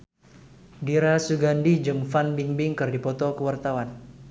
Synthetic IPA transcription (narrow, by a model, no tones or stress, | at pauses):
diɾasuɡandid͡ʒɨŋfanbiŋbɪŋkɨrdipɔt̪ɔkəwart̪awan